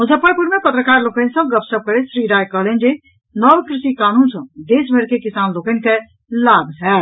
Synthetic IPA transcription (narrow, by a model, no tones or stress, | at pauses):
ɦud͡ʒəpəpuɾmepət̪ɾəkaɾlokə̃nsə̃ɡəpsəb̚kəɾesɾiɾajkəɦlɛnd͡ʒe | nɔbkɾisikanunsə̃d̪esbʱəɾkekisanlokɛnke | labʱɦɛ